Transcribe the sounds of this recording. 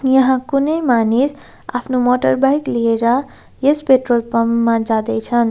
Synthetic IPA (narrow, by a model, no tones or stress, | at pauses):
jʌɦãkunʌjmanis | a̰pʰnomoʈəɾbajklieɾʌ | jespeʈrolpʌmːãd͡zad̪ʌt͡sʰʌn